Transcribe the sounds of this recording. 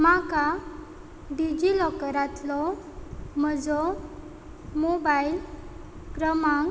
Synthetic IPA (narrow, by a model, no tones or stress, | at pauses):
maka | ɖid͡ʑilɔkəɾat̪lɔ | məd͡zɔ | mobail | kɾəmaŋ